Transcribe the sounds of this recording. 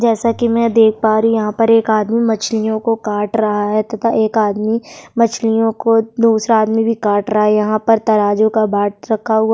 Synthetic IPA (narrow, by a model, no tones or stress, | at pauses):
d͡ʒɛːsakimɛ̃d̪eːk̚ʰpaːɾujɐɦãpɐɾeːkaːd̪mimɐt͡ʃʰlijõkokaːʈɾɐɦaɦɛt̪ɐt̪ʰaʔeːkaːd̪mimɐt͡ʃʰlijõkod̪uːsɾaːd̪mibʱikaːʈɾɐɦaɛjɐɦãpɐɾt̪ɐɾaːd͡ʒõkabʱaːʈ̚ɾɐkʰːaɦʊa